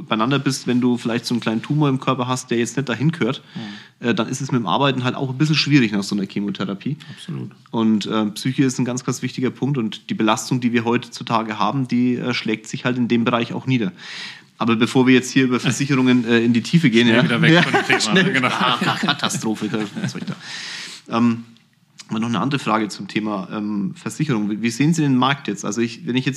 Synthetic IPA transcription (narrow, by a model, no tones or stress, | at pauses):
baɪnandɐbɪstvɛnduːfɪlaɪçtz̥oːnkl̥aɪnəntʰuːmoːɐɪmkʰœɐpɐɦast̚d̥eːɐjɛt͡stnɛtd̥aɦɪnkəøːɐt | ʔɛːd̥anʔɪstɛsmɪtmʔa̰ɐbaɪtn̩ɦalta̰ʊxnbɪs̬l̩ʃv̥iːʁɪçnaːχz̥oːnɐkʰiːmotʰɛʁapʰiːasṵːt | ʔʊntʔɛːmpsyːçəɪstn̩ɡant͡sɡ̥ant͡sv̥ɪçtɪɡɐpʰʊŋk̚tʊntd̥iːbəlastʊŋdiːviːɐɦɔʏtə̥t͡sutʰaːɡəɦaːbm̩d̥iːʔɛ̰ːʃlɛːk̚tz̥ɪçhaltɪndeːmbəʁaɪça̰ʊxniːdɐ | ʔaːbɐbəfoːɐviːɐjɛt͡sthiːɐyːbɐfɛɐzɪçəʁʊŋənɛːɪndiːtʰiːfəɡeːənjaːɐvɛjaːnɛlaakʰatʰastʁ̥oːfəkʰɛsɔʏçd̥a̰ːʔɛːm | manɔχnəʔa̰ndəʁəfʁ̥aːɡət͡sʊmtʰeːmaʔɛ̰ːmfɛɐz̥ɪçəʁʊŋviviːzeːənziːdeːnmaɐk̚tjɛt͡stʔa̰lzoɪçvɛnɪçjɛt͡s